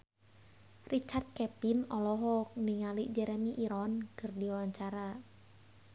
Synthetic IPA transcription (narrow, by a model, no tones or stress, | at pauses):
rit͡ʃart̪̚kɛpinɔlɔɦɔk̚niŋaliʔd͡ʒɛɾɛmiʔiɾɔnkɨrdiwawaɲt͡ʃaɾa